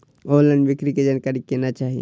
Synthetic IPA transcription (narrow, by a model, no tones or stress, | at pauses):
oːlə̃ɳɖʋɪkɾiked͡ʒaːnkaɾikenat͡ʃaːɦḭ